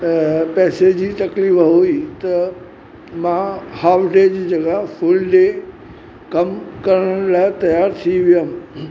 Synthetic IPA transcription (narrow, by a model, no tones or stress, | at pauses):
pɛːsed͡ʑiːt̪ɐkliːfɦoit̪ɐ | mãhaːfɖeːd͡ʑiːd͡ʑɐɡaɦfʊlɖe | kɐmkɐɾəɽ̃laːɪt̪ɐjaːɾt̪ʰiʋijã